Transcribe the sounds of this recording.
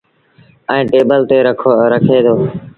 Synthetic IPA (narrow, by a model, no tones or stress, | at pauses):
əĩːʈeːbəlt̪eːɾəkʰoːɾəkʰeːd̪oː